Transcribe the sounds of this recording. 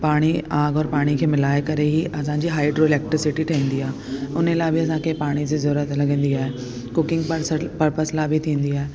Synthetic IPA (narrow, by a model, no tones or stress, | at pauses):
paːɽ̃iaːɡɔːɾpaːɽ̃ikʰeːmɪlaːekɐɾeɦiʔɐsãd͡ʑiːɦaːɪɖɾoːɪleːk̚ʈɾɪsɪʈiʈʰɐĩːn̆d̪iaːɦeʊnəlaːɪbʱɪɐs̬ãkʰepaːɽ̃id͡ʑizɐɾuːɾət̪lɐɡə̃ːn̆d̪iaːɦe | kʊkɪ̃ŋɡpəɾsəpɐɾpəslaːbʱɪt̪ʰĩːnd̪iaːɦeː